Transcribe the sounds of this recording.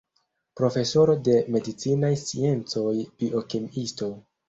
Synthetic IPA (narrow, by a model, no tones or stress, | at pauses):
pɾo̞fe̞so̞ɾo̞de̞me̞dit͡sinajst͡sie̞nt͡so̞jb̥iʔokemisto̞